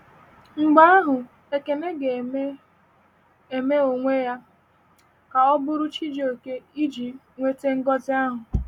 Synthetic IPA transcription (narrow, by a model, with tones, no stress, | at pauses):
ŋ͡m̩˨ɡ͡ba˦a˦ɦʊ˨ | e˨ke˨ne˦ɡe˨˦ | e˨me˦o˨ŋʷe˦ja˦ | ka˨ɔ˦bʊ˦ɾʊ˦t͡ʃi˦d͡ʒo˨ke˦i˦d͡ʒi˨ | ŋʷe˦te˦ŋ̩˦ɡɔ˦zɪ˦a˦ɦʊ˨